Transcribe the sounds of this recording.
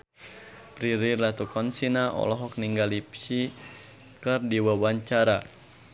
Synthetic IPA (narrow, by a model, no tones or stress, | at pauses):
pɾiɾirlat̪ukɔnsinaʔɔ̰lɔɦɔk̚niŋɡalipsi | kərdiwawaɲt͡ʃaɾa